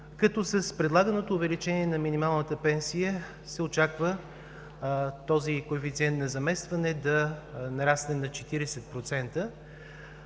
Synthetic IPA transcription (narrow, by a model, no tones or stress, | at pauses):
kɐt̪ɔsɐspɾɛd̪lˠaɡənot̪oːvɛlit͡ʃɛniɛnɐminimalˠnət̪əpɛnsijə | sɛot͡ʃakvə | t̪ɔzikoɛfit̪siɛnt̪nɐzɐmɛst̪vɐnɛd̪ɐnɐɾasnɛnɐt͡ʃɛt̪iɾɛsɛt̪̚pɾot̪sɛnt̪ə